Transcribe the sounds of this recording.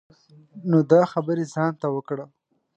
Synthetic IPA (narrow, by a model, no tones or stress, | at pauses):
nod̪ɑxabəɾezɑnt̪awəkɽə